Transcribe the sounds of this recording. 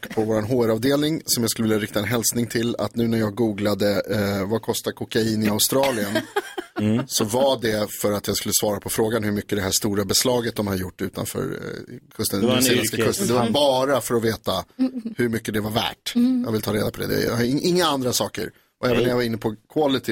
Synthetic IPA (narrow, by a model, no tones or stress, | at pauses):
ɔkːpʰɔvoːɾanɦoːæɾɑːvd̪eːlnɪŋsɔmjɑɡskɵvɪljaɾɪk̚t̪aɛnɦɛlsnɪŋt̪ʰɪla̰t̪nʉ̟ːnæɾjɑːɡɡuːɡlad̪əvakʰɔst̪aɾkʰʊkaiːnɪaʊst̪ɾɑːlɪən | sɔvaɖɛfœɾat̪jɑːskɵlːəsvɑːɾapʰɔfɾoːɡanhɵɾmʏkːəd̪ɛɦæʂt̪uːɾabɛslɑːɡət̪̚d̪ɔmhad̪əjʊʈːʉ̟ːt̪a̰nfœ̰ːɾkʰɵst̪əɛeːlɛskakʰɵst̪ənd̪ɛvabɑːɾafœɾɔveːt̪ahɵɾmʏkːəd̪ɛvaɾvæ̰ːʈjɑ̰ːɡvɪlt̪ʰɑːɾeːd̪apɔd̪ɛ̰d̪ɛ̰j̰ʔɪŋːaand̪ɾasɑːkə̰ɾ | ʔɔɛːvənːɛjavaɾɪnːəpʰɔkʰalɪt̪ʰɪ